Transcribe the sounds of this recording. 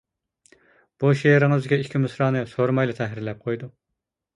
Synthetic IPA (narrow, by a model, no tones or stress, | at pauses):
b̥uʃeɾɪŋɨzkʲɛikʲʰimɨsɾɑːnɨsoɾmɑjlˠɨt̪ʰɛɦɾɪɾlɛp̚qʰojd̪u